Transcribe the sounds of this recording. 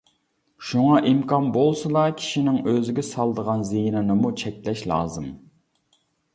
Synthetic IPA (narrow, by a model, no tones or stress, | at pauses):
ʃuŋɑʔimkʰɑnbolˠsɨd̪ɑkʲʰi̥ʃinɪŋøzɪɡʲɛsɑlˠd̪əʁɑnziɦnɨnɨmut͡ʃʰɛkʲlɛʃlˠɑ̰ːzɨm